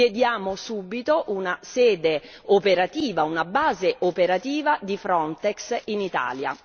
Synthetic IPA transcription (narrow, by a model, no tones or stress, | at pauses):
ed̪jaːmosuːbit̪oʔunasɛːd̪e | opeɾat̪iːvaunabaːzeʔopeɾat̪iːvad̪ifɾɔnt̪ɛksinit̪a̰ːlja̰